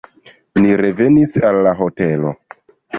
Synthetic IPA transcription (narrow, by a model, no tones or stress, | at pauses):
niɾe̞ve̞nisalːaɦo̞te̞lo̞̰